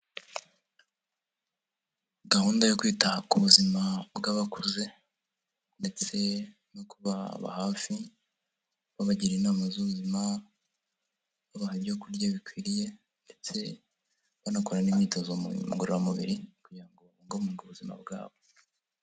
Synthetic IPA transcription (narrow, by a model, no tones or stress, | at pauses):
ɡahuːndajokwiːtahakuβuzimabɡaβakuze̞ | nde̞t͡se̞ | nokuβaβa̰haːfi | βaβaɟiɾinaːmazuβuzima | βaβahaβjokuɾɟaβikwiːɾije̞ | nde̞t͡se̞ | βanakoɾanimɲiːto̞zoṵɡoɾoɾaomuβḭɾikuɟiɾaŋɡo̞ŋɡomuɡuβuzima̰bɡa̰ːβo̞